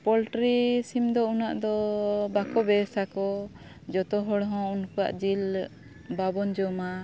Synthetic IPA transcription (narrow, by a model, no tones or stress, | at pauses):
pɔlʈɾisimd̪ɔunaʔd̪ɔbakɔbɛsakɔ | d͡ʒɔt̪ɔɦɔɽɦɔ̃unkɔa̰ʔd͡ʒil | babɔnd͡ʒɔma